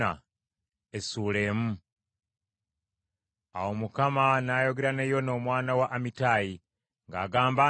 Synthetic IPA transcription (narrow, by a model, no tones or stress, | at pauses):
a̰ | esuːle̞ːmu | a̰wo̞mukamanaːjo̞ɡeɾanejo̞no̞ːmwaːnawaʔːmitaːji | ŋɡaːɡaːmba